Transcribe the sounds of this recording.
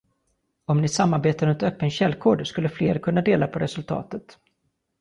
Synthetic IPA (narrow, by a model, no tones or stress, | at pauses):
ɔmnɪsamːaɾbeːt̪aɾɵnt̪œːpːənɕɛlːkʰoːɖskɵlːəfleːɾkʰɵnːad̪eːlapʰɔɾɛsɵlt̪ʰɑ̰ːt̪ət̪